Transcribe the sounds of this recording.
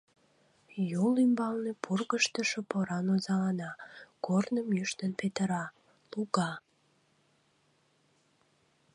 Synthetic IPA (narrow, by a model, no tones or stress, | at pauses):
jolymbɑlnepʰurɣəʃt̪əʃopoɾɑnozɑlɑnɑkornəmjyʃt̪ənpet̪əɾɑ | luɣɑ